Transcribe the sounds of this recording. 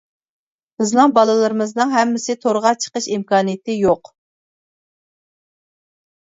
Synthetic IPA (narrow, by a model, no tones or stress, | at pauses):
b̥ɪznɨŋbɑlˠɨlˠɨɾɨmɨznɨŋɦɛmːɪsɪt̪ʰoɾʁɑt͡ʃʰə̥qəʃimkɑːnijɪt̪ʰɪjoq